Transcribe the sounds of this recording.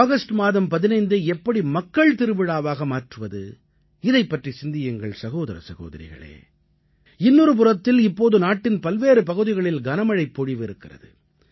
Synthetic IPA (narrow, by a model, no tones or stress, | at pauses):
aːɣɐsʈɯmaːðɐmpɐðɪnɐɪnd̪ɯɛpːɐɽimɐkːɐɭt̪ɪɾɯʋɪɽaːʋaːɣɐmaːʈrɯʋɐðɯ̰ | ɪðɐɪpːɐʈrisɪnd̪ɪjɐŋɡɐɭsɐɣoːðɐɾɐ̰sɐɣo̰ːðɐ̰ɾɪ̰ɣɐ̰ɭḛː | ɪnːɯɾɯp̬ʊrɐt̪ːɪlɪpːoːðɯnaːʈːɪnpɐlʋeːɾɯpɐɣɯðɪɣɐɭɪlɡɐnɐmɐɻɐɪpːɔɻiʋɪɾɯkːɪrɐ̰ðɯ̰